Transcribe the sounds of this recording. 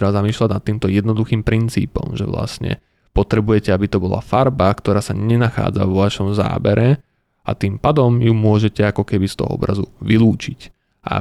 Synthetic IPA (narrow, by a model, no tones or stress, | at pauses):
t̪ɾɛbazamiːʃlaɟnat̪ːiːmt̪ɔjɛd̪nɔd̪uxiːmpɾint͡sḭːpɔ̰mʒɛ̰ʋla̰sɲɛ̰ | pɔt̪ɾɛbujɛcɛabit̪ɔbɔla̰faɾbakt̪ɔɾaːsaɲɛnaxa̰ːd͡za̰ʋɔʋaʃɔmza̰ːbɛɾɛ | a̰t̪iːmpad̪ɔmjumʊɔʒɛcɛakɔkɛbist̪ɔ̰ɦɔ̰ɔ̰bɾʔazuʋiluːt͡ʃic | ʔa̰